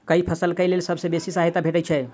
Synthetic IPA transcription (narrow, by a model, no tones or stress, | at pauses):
kəipʰəsəlkəjlelsəbʱsẽbesisaɦɛt̪abʱeʈət͡ʃʰɛ